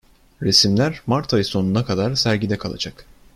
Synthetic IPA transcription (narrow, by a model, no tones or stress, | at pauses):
ɾesimlʲæɾmaɾt̪ʰajɯso̞nunakʰad̪aɾsæɾɟid̪ɛkʰalˠa̰d͡ʒak